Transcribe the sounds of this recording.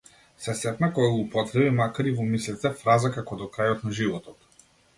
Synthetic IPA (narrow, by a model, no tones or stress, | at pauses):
sɛsɛt̪nakɔjaɡupɔt̪ɾɛbimakaɾivɔmisɛt̪ɛfɾazakakɔd̪ɔkɾajɔt̪naʒivɔt̪ɔt̪